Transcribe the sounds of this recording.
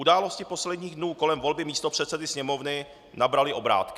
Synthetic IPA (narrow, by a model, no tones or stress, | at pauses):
udaːlo̞scɪpo̞slɛdɲiːɣdnuːko̞lɛmvo̞lbɪmiːst̪opr̝̥ɛt̪sɛdɪsɲɛmo̞vnɪ | nabɾalɪʔo̞bɾa̰ːt̪kɪ